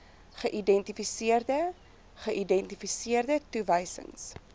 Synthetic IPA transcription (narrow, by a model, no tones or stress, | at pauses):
χəʔidɛntifisiərdə | χəʔidɛntifisiərdətuvəjsə̰ŋs